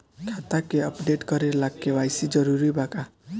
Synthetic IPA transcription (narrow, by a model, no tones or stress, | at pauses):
kʰat̪akeəpɖeʈkʌɾeɾlaɡkewajsid͡ʒʌɾuɾibaka